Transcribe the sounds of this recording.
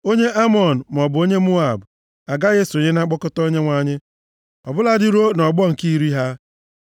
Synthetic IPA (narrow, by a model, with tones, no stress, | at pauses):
o˦ɲe˦ʔa˦mɔ˨n̩˨m˨ɔ˨bʊ˨o˦ɲe˦mu˦a˨b | a˨ɡa˦ɣe˦so˨ɲɪ˦na˦ɡ͡bɔ˦kʊ˦to˦ɲe˦ŋʷa˨ɲɪ˦ | ɔ̰˨bʊ˦la˦dɪ˦ɾo˦nɔ˨ɡ͡bɔ˦ŋ̩˨ki˦i˦ɾi˦ɦa˦